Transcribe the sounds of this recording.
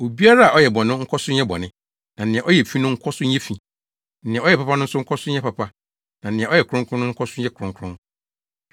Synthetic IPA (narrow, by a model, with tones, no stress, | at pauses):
o˨bi˦a˦ɾa˦a˨ɔ˦jɛ˨bɔ̃˨nʊ̃˦ŋ̩˦kʰɔ˦sʊ˦ɲ˦ɛ˦bɔ̰˨nɪ̃˦ | nã˨n˨ɪ̃˨ɛ̃˨ʔɔ˦jɛ˨fĩ˦nʊ̃˦ŋ̩˦kʰɔ˦sʊ˦ɲ˦ɛ̃˦fĩ˨ | n̩˨nɪ̃˨ɛ̃˨ɔ˦jɛ˨pa˦pa˦nʊ̃˦n̩˦sʊ˦ŋ̩˦kʰɔ˦sʊ˦ɛ˦pa˨pʰa˦ | nã˨n̩˨nɪ̃˨ɛ̃˨ɔ˦jɛ˨kʰɾʊ̃˦ŋkʰɾʊ̃˦nʊ̃˦ŋ̩˦kʰɔ˦sʊ˦ɛ˦kʰʊ˨ɾʊ̃˨ŋkʰʊ̃˦n